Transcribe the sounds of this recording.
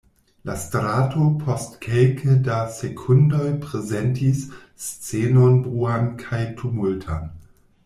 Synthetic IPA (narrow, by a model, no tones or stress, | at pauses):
lastɾaːtʰopʰostkʰelkʰədasekʰundojpʁezentisː | t͡seːnonbʁuːankʰajtʰumultʰa̰n